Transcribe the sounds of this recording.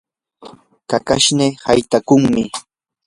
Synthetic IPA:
kakaʃnehajt̪akʊŋmɪ

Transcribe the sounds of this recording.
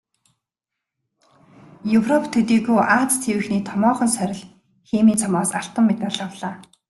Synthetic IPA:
jɵwrɔpʰt̪ʰɵt̪iːɣuːʔaːt͡st͡sʰewɘ̆xniːt̪ʰɔmɔːχɞ̆nsœɾʲɪ̆ɮ | xeːmiːt͡sʰɔmɔːsaɬt̪ə̆mːet̪̚paɮə̆wɮaː

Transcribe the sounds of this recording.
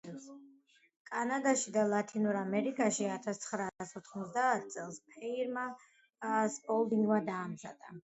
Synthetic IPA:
kʼanad̪aʃid̪alˠat̪ʰinuɾamɛɾikʼaʃiat̪ʰast̪sʰχɾaːsɔt̪ʰχmɔt̪sd̪aːt̪ʰt̪sʼɛlˠspʰɛiɾma | spʼɔlˠd̪iŋɡmad̪aːmza̰d̪a

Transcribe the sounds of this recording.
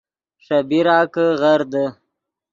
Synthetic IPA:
ʂabiɾɑːkəɣaɾd̪ə

